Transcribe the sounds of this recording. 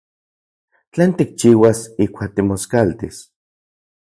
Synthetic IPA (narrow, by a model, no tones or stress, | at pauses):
t͡ɬeːnt̪ik̚t͡ʃiːwasihkʷaːk̚t̪imoskalt̪is